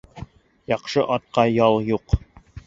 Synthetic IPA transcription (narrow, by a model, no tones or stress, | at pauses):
jɑqʃɤʔɑt̪̚qɑjɑlˠjuq